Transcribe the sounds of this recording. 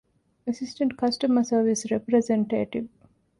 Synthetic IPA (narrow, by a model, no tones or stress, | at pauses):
əsɪsʈə̃ɳʈ̚kɐsʈəməsəːɾʋisɾepɾezẽɳʈeːʈiʋ